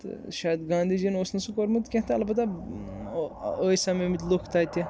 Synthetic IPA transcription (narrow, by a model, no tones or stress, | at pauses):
t̪ɨ̰ʃaːjɐd̪ɡãːnd̪id͡ʒinoːsnɐsukoɾmɨt̪kʲẽɦt̪ɐɐlbɐt̪a | əːjsamemit̪lukʰt̪aːt̪ɐ